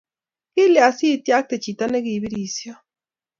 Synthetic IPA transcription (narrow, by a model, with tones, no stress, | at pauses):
i˦lea˨si˦tja˦k̚te˨t͡ʃi˨ta˦ne˦ɣi˨βi˦ɾi˨sja˦